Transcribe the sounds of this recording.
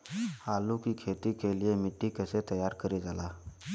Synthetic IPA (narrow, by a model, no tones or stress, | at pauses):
halukikʰet̪iːkelijemiʈːikəset̪əjaɾkəɾed͡zala